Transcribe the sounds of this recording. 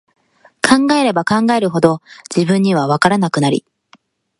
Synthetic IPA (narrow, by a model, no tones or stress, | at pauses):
kʰãŋɡae̞ɾe̞bakãŋɡae̞ɾɯ̟ɦo̞d̪o̞d͡ʑibɯ̟̃ɲ̟ːiβ̞aβ̞akaɾanakɯ̟naɾʲḭ